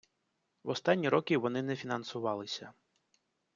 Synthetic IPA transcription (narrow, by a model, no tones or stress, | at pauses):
ʋɔst̪ɑnʲːiɾɔkʲiʋɔnɪnɛfʲinɐnsʊʋɑlˠɪsʲɐ